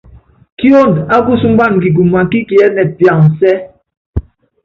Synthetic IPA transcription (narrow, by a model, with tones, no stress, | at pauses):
ki˦o˦˨nda˦ɡu˦˨su˦m̩˦ba˦˨n˨ki˨ɡu˨ma˨˦ki˦ki˨ɛ˦nɛ˨pja˨ŋ˨sɛ˦